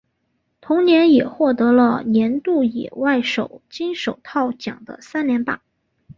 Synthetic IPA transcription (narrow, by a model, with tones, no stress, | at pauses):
t̪ʰʊ˧˥ŋnjɛ˧˥njɛ˨˩xwɔ˥˩t̪ɤ˧˥lə˧njɛ˧˥nt̪u˥˩jɛ̰˨˩wa˥˩ɪʂo˨˩ʊt͡ɕi˥nʂo˨˩ʊt̪ʰɑ˥˩ʊt͡ɕjɑ̰˨˩ŋd̪ə̰˦sa˥nnjɛ˧˥npa̰˥˩˦